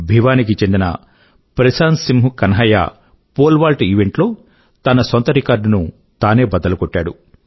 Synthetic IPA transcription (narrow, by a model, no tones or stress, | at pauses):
bʱiʋaːnik̬it͡ʃe̞nd̪inɐ̰ | pɾɐsaːnsimɦukɐnɦɐja̰ː | poːlʋaːlʈiʋeɳʈlo̞ː | t̪ɐnɐsɔnt̪ɐɾikaːɾɖnu | t̪aːne̞ːbɐd̪ɐlɐkɔʈːaːɽu